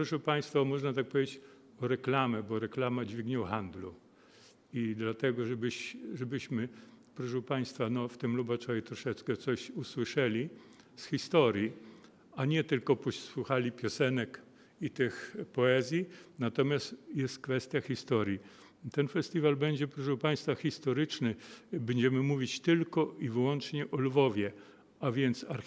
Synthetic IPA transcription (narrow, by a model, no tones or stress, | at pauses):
pɾɔʂɛpaj̃st̪faɔmɔʐnat̪ak̚pɔvʲed͡ʑet͡ɕ | ɔɾɛklamɛbɔɾɛklamad͡ʑvʲiɡɲɛwxand̪lu | id̪lat̪ɛɡɔʐɛbɘɕʐɛbɘɕmɘpɾɔʂ̬ɛwpaj̃st̪fanɔft̪ɘmlubat͡ʂɔjʲit̪ɾɔʂɛt͡skɛt̪sɔɕuswɘʂɛlʲisxʲist̪ɔɾʲji | aɲɛt̪ɘlkɔpɔɕswuxalʲipʲjɔsɛnɛk | it̪ɘxpɔɛzʲjinat̪ɔmʲjast̪jɛst̪kfɛst̪ʲjaxʲist̪ɔɾji | t̪ɛnfɛst̪ʲivalbɛɲd͡ʑɛpɾɔʂɛwpaj̃st̪faxʲist̪ɔɾɘt͡ʂnɘbɛɲd͡ʑɛmɘmuvʲit͡ɕt̪ɘlkɔivɘwɔnt͡ʂɲɛʔɔlvɔvʲjɛ | avʲjɛnt̪saɾ